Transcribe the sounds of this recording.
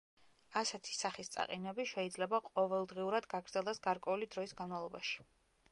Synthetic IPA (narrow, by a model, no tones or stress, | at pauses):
asɛt̪ʰi̥saχist̪sʼa̰qʼinɛbiʃɛid̪zlɛbaqʼɔvɛlˠd̪ʁiuɾad̪ɡaɡɾd̪zɛlˠɛsɡaɾkʼwɛulid̪ɾɔisɡanmalˠɔbaʃi̥